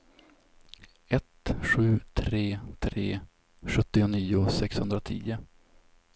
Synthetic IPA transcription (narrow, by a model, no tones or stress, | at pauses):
ɛt̪ɧʉ̟ːt̪ʰɾeːt̪ʰɾeː | ɧɵt̪ːɪʊniːʊsɛkshɵnd̪ɾat̪ʰḭːʊ